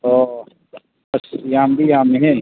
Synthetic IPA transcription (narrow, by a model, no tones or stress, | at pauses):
oː | bɐsjaambijaːmẽɦɛ̃